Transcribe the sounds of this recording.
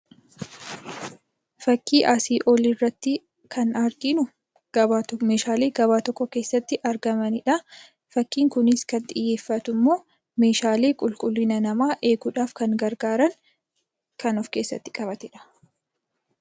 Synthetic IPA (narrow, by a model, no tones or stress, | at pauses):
fɐkːiːʔaːsiːʔɔlɪrːɐt̪ːɪ | kɐnɐɾɡɪnʊ | ɡ̥ɐbaːme̞ːʃaːleːɡɐbaːt̪ɔkːɔke̞ːsːɐt̪ːɪʔɐɾɡɐmɐnɪᶑɐ | fɐkːiːŋkʊnɪskɐnt̪ʼɪjːe̞ːfːɐt̪ʊmːo̞ː | me̞ːʃaːleːkʼʊlkʼʊlːɪnɐnɐmaːʔe̞ːɡʊᶑaːfkɐŋɡɐɾɡaːɾɐŋ | kɐnɔfke̞ːsːɐ̰t̪ːɪ̥kʼɐbɐt̪ɪᶑɐ̥